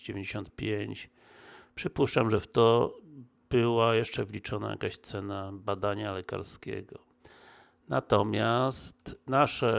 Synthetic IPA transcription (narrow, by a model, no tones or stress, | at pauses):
d͡ʑevʲẽɲd͡ʑeɕɔnt̪̚pʲjeɲt͡ɕ | pʂɘpuʂt͡ʂamʐɛft̪ɔ | b̥ɘwajɛʂt͡ʂɛvlʲit͡ʂɔna̰ja̰kaɕt̪sɛnabad̪aɲalɛka̰ɾskʲɛ̰ɡɔ | na̰t̪ɔmʲjast̪naʂɛ